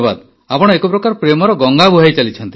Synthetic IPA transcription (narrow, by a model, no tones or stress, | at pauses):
ba̰d̪ | apɔɽ̃ɔekɔpɾɔkaɾpɾemɔɾɔɡɔŋɡabʱuɦajt͡ʃalit͡ʃʰɔnt̪i